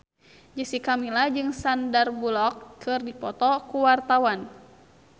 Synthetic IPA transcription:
d͡ʒəsikamilad͡ʒɨŋsandarbulɔkːɨrdipɔt̪ɔkuwart̪awan

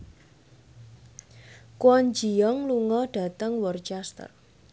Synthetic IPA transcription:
kwɔɲd͡ʒiɔŋluŋɔɖ̥a̤t̪əŋwərt͡ʃast̪ə̰r

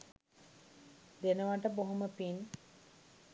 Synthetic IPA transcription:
d̪enəʋaʈəboɦoməpin

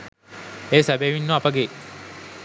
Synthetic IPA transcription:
eːsæbeːʋinːuapəɡe

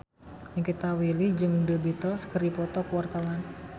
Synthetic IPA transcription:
jəŋkit̪awilid͡ʒɨŋdəbit̪ɔsə̥kəɾipɔt̪ɔkəwart̪awan

